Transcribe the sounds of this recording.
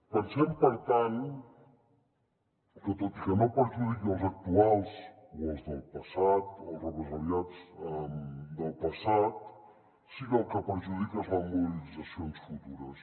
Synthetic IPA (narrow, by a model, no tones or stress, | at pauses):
pəɾsempoɾt̪an | kət̪ot̪i̥kənopəɾʒuðik̪əlˠzak̚t̪ualˠs | wolzd̪əlˠpasat̪olrəpɾəzaɾjat͡səmd̪əlˠpasat̪̚ | sikəlˠkapəɾʒuðikəzamolilizasjonsfut̪uɾəs